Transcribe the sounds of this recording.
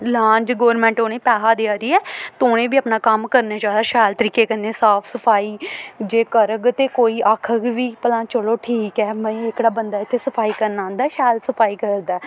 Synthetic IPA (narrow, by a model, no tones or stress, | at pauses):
lãːɲd͡ʒɡoːɾmɛ̃ːɳʈoːnẽːpaːɦaːd̪ejaːd̪iːɛːt̪oːñẽːbiːaːpnaːkəmkəɾneːd͡ʒaːd̪aːʃaːlt̪əɾiːkeːkənːeːsaːpʰsəpʰaːiːd͡ʒeːkəɾəɡt̪eːkoːiːʔaːkʰəɡʋiːpəlãːt͡ʃəloːʈʰiːkɛːmə̃ĩːɪkɽaːbənd̪aːɪt̪ʰːeːsəpʰaːiːkəɾnãːnd̪aːɛːʃaːlsəpʰaːiːkəɾd̪aː